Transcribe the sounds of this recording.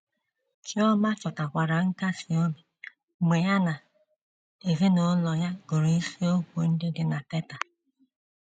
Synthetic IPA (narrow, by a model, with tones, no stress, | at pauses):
t͡ʃi˦ɔ˦ma˦t͡ʃɔ˨ta˨kʷa˨ɾa˨ŋ̩˦ka˦si˨o˦mi˨ | me˨ja˦na˨ | e˨ɣe˦no˨˦lɔ˨ja˦ɡo˨ɾi˦si˦o˦kʷo˨n̩˦dɪ˦dɪ˦na˨tɛ˦ta˨